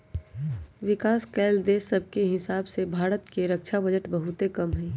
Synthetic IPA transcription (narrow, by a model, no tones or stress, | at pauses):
ʋɪkaːskɛːld̪eːsəb̚ʱkeɦɪsaːbsebʱaːɾət̪keɾəkʃʰabəd͡ʒəʈbɐɦʊt̪ekɐmɦɛ̃ː